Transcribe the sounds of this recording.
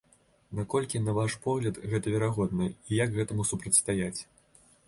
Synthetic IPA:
nakɔlʲkʲinɐvaʂpɔɣlʲɐd̪ɣɛt̪ɐvʲɛɾaɣɔd̪nɐijaɡɣɛt̪ɐmusupɾɐt̪ʲst̪ajat͡sʲ

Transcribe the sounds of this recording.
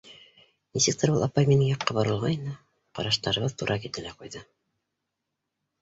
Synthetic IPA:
nisɘk̚t̪ɘɾbulˠɑpɑjminɘŋjɑqːɑbɑɾɤ̆lˠʁɑjnɑ | qɑ̰ɾɑʃt̪ɑɾɤ̆βɤðt̪uɾʔɑkit̪ɘ̆læqujðɤ

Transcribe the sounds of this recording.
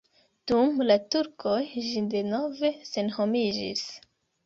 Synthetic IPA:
d̥umlatuɾkʰo̞jʒide̞no̞ve̞se̞nho̞mid͡ʒḭs

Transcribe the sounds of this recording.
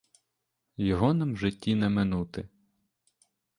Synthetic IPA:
jɔɦɔnɐmʒɪtʲːinɛmɪnut̪ɪ

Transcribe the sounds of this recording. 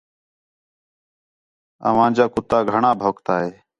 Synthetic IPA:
ə̰ʋãːnd͡ʒaːkʊt̪aːɡʱəɳaːbʱoːkt̪aːɦeː

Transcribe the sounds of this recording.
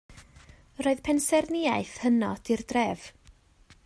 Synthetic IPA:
roːðpʰɛnsɛrnɪaɨθhənɔd̥irdrɛːv̥

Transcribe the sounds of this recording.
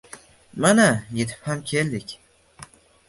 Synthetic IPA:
manaje̞t̪ʰɪ̥phamkʲʰe̞ld̪ɪkʲ

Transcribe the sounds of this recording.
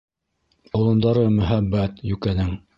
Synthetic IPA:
ŏlˠɤ̆nd̪ɑɾɤmɵ̆ɦæbːæt̪jʉkænɘŋ

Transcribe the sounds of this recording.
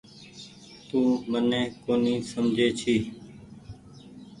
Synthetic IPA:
t̪ũːmənẽːkoːniːsəmd͡ʒʱeːt͡ʃʰiː

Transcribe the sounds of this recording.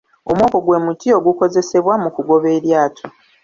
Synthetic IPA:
o̞̰mwoːko̞ɡwe̞ːmutio̞ɡuko̞ze̞se̞βwamukuɡo̞βe̞ːɾjaːtʰo

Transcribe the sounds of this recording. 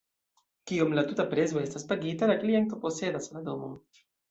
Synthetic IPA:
kio̞mlatutapɾe̞zo̞e̞staspaɡitalakliaŋtopo̞se̞daslado̞mo̞

